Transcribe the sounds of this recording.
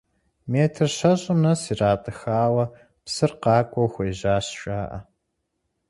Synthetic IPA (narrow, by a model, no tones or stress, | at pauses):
meːtʰɨrɕɐʑʼɪmnɐsiːraːtʼɨxaːwɐ | psɨrqɑːkʷʼɔwxʷejʑaːɕʃʼaːʔɐ̰